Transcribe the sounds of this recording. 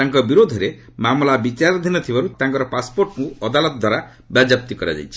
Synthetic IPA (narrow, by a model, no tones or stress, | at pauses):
aŋkɔbiɾod̪ʱɔɾe | mamlabit͡ʃaɾd̪ʱinɔt̪ʰibaɾut̪ãŋkɔɾɔpaspoɾʈkũɔd̪alɔt̪ɔd̪waɾa | bjad͡ʒap̚t̪ikɔɾa̰d͡ʒa̰jt͡ʃʰi